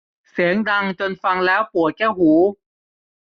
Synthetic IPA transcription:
se˨˩˦ŋda˧ŋt͡ɕo˧nfa˧ŋlɛː˦˥wpu˨˩˦əkɛː˥˩whuː˨˩˦

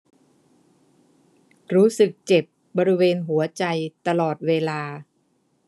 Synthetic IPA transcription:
ɾuː˦˥sɯ˨˩k̚t͡ɕe˨˩p̚ | bɔː˧ɾi˦weː˧nɦu˩˦ɐt͡ɕa˧jt̪a˧lɔː˨˩t̪̚weː˧laː˧

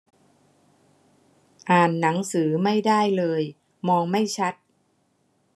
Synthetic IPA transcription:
ʔaː˨˩nːa˩˦ŋsɯː˩˦ma˥˩jdaː˥˩jlɤː˧j | mɔː˧ŋma˥˩jt͡ɕʰa˦˥t̪̚

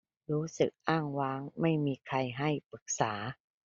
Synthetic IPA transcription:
ɾuː˦˥sɯ̰˨˩k̚ʔaː˥˩ŋwaː˦˥ŋma˥˩jmiː˧kʰa˧jɦa˥˩jpɯ˨˩k̚saː˩˦

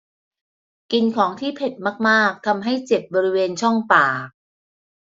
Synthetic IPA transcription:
ki˧nkʰɔː˩˦ŋt̪ʰiː˥˩pʰe˨˩t̪̚maː˥˩k̚maː˥˩k̚t̪ʰa˧mɦa˥˩jt͡ɕe˨˩p̚bɔː˧ɾi˦˥weː˧nt͡ɕʰɔ˥˩ŋpaː˨˩

